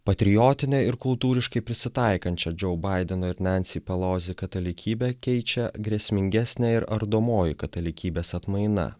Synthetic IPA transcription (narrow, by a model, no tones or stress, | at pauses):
pɐt̪ʲɾʲɪjoːt̪ʲɪnʲɛɪɾkʊlˠt̪uːɾʲɪʃkɐɪpʲɾʲɪsʲɪt̪ɐˑɪkɐnʲt͡ʃʲɛd͡ʒɛʊbɑˑɪd̪ʲɛnoːɪɾnʲænʲsʲipʲɛlˠoːzʲɪkɐt̪ɐlʲɪkʲiːbʲɛkʲɛɪt͡ʃʲɛɡɾʲiɛsʲmʲɪŋʲɡʲæsʲnʲæɪɾɐɾd̪oːmoːjɪkɐt̪ɐlʲɪkʲiːbʲeːsɐt̪mɐɪnɐ̰